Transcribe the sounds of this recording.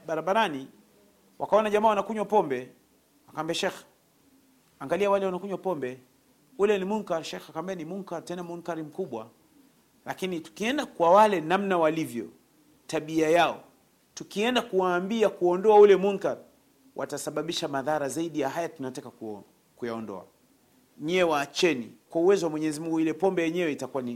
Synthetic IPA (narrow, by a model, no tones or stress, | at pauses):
ɓaɾaɓaɾani | wakaɔnaʄamaːwanakuɲwapɔmbɛ | wakambiaʃɛx | aŋɡaliawalɛwanakuɲwapɔmbɛ | ulɛnimuŋkaɾʃɛxakambianimuŋkaɾtɛnamuŋkaɾim̩kuɓwa̰ | lakinitu̥kiɛndakwawalɛnamnawalivjɔ̰ | taɓiajaɔ | tukiɛndakuwaːmbiakuɔndɔaulɛmuŋkaɾ | wʔa̰tasaɓaɓiʃamaðaɾazaiɗijaɦajatunatakaku | kujaɔndɔ̰a̰ | ɲɛwaːt͡ʃɛnḭkwauwɛzɔwamwɛɲɛzimuŋɡuilɛpɔmbɛjɛɲɛwɛitakuani